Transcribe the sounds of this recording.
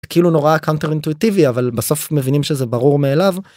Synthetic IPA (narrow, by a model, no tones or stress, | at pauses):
keiluno̞ʁakawnt̪eʁint̪uit̪iviavalbaso̞fmevinimʃezebaʁuʁmeːlav